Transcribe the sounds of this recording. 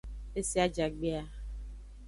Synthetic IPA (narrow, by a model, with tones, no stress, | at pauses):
e˦si˦a˦d͡ʒa˨ɡ͡be˦a˦